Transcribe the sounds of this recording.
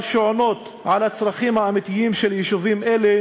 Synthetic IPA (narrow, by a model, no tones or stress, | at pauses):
ʃoʕonot̪ | ʕalat͡sɾaχimhaamit̪ijimʃeljiʃuvimʔele